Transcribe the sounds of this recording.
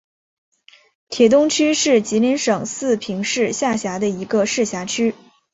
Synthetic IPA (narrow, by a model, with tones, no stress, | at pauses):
t̪ʰjɛ˨˩t̪ʊ˥ŋt͡ɕʰy˥ʂɻ̩˥˩t͡ɕi˧˥li˧˥nʂɤ˨˩ŋsɹ̩˥˩pʰi˧˥ŋʂɻ̩˥˧ɕja˥˩ɕja˧˥d̪ə˧i˧˥ɡə˧ʂɻ̩˥˩ɕja˧˥t͡ɕʰy˥